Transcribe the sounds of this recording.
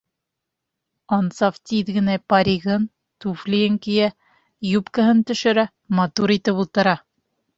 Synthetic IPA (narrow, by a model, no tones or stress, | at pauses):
ɑnsɑft̪ʲiðɡɘ̆næpɑɾʲiɣɤn | t̪uflʲieŋkijæ | jupkɤ̆ɦɤnt̪ɵ̆ʃɵ̆ɾæ | mɑt̪uɾit̪ɘpulˠt̪ɤ̆ɾɑ